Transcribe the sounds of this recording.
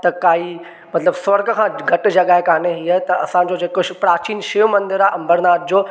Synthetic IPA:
t̪ɐkaːi | mɐt̪ləbsʋɐɾɡ̆kʰãːɡʱɐʈ̆d͡ʑɐɠaːɦekaːneɦiːət̪ɐɐ̰sãːɲ̆d͡ʑoːd͡ʑeːkoʃpɾaːt͡ɕiːnʃeːomɐ̃nd̪ɪɾaːʔɐ̃mbəɾnaːt̪̚ʰɪd͡ʑoː

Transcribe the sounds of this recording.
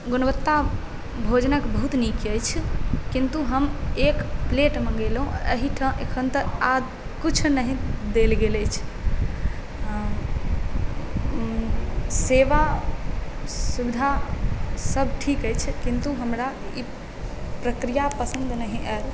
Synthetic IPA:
ɡunəʋət̪ːa | bʱod͡ʒnəkbəɦut̪nikiəjt͡ʃʰkint̪uɦəmekpleʈmẽɡelɦũə̰ɦiʈʰəʔekʰənt̪əad̪ | kit͡ʃʰnəɦĩd̪elɡeləjt͡ʃʰ | seʋa | subid̪ʱa | səb̚ʱʈʰikəjt͡ʃʰkint̪uɦəmɾai | pɾəkɾijapəsənd̪nəɦiʔə

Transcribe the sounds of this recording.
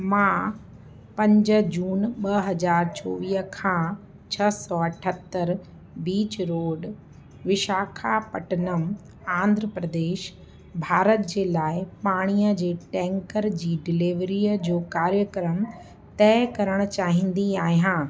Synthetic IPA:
mãː | pɐ̃ɲd͡ʑə̆d͡ʑuːnɓɐɦɐd͡ʑaːɾt͡ɕoːʋiːɦəkʰãː | t͡ɕʰɐsɔɐʈʰət̪ːəɾ | biːt͡ɕɾoːɖ | ʋɪʃaːkʰapɐʈənəm | ãːnd̪ʱɾəpɾəd̪eːʃ | bʱaːɾət̪̚d͡ʑeːlaːɪpaːɽ̃ijəd͡ʑeːʈɛ̃ːŋkəɾd͡ʑiːɖɪliːʋɾijəd͡ʑoːkaːɾjəkɾəm | t̪ɛːkɐɾəɽ̃ʊ̆t͡ɕaːɦɪĩn̆d̪iaːɦijãː

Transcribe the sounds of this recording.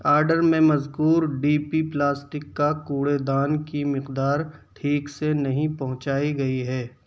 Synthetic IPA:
aːɾɖəɾmẽmɐzkuːɾɖiːpiplaːsʈɪkːakuːɽed̪aːnkimɪqd̪aːɾʈʰiːksenɐɦĩpɐɦʊ̃t͡ʃaːiɡɐiɦɛː

